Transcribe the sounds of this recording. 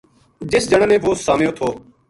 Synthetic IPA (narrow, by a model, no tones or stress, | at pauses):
d͡ʒɪsd͡ʒəɳnẽːʋoːsaːmjoːt̪ʰoː